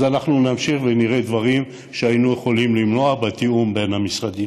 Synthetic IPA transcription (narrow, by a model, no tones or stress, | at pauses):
zanaχnunamʃiχveniʁed̪vaʁim | ʃeainujeχo̞limlimlo̞abet̪iumbe̞nhamisʁad̪i